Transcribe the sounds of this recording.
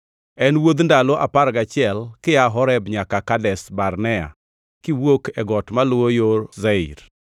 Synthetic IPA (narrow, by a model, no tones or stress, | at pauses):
ɛnwod̪ndalɔʔapaɾɡat͡ʃɪɛlkɪjaɦɔɾɛbɲakakadɛsbarnɛa̰ | kiwokʰɛɡɔtmalʊwojoɾzɛḭɾ